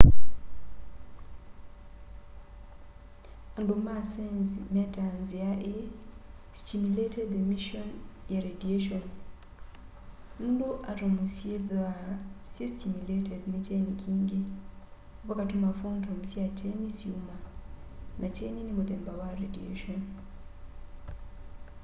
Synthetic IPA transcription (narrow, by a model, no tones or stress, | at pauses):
andumasɛnzmɛtanziaʔɛ | stimuletɛd̪emiʃɔnjaɾedieʃɔn | nundoʔatɔmusiedasestimuletɛdnitenikʰiŋɡɛ | pakatumafontʰɔmsiatʰenisiuma | nʔat͡ʃeninimbɔd̪ɛmbawaɾediḛʃɔn